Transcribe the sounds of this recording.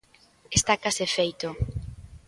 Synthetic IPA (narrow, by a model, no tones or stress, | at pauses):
est̪akasefejt̪o